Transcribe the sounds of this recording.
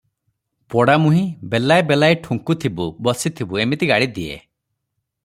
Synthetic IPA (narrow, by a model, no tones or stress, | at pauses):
pɔɽamuɦĩbelajbelajʈʰuŋkut̪ʰibubɔsit̪ʰibuemit̪iɡaɽid̪iḛ